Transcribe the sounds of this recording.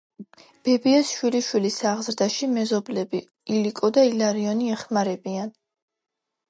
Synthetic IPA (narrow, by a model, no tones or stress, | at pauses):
b̥ɛbiasʃwiliʃwilisaʁzɾd̪aʃimɛzɔblɛbi | ilikʼɔd̪ailaɾiɔniɛχmaɾɛbian